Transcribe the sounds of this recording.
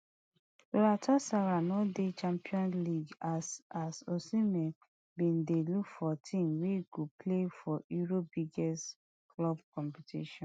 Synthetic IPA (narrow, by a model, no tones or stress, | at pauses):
ɾatʰɔsaɹanɔdet͡ʃãmpiɔ̃nliɡasasosĩmɛ̃n | bĩndelukfɔtʰĩmweɡoplefɔuɹobiɡɛst | klɔb̚kɔ̃mpitʰḭʃɔ̃n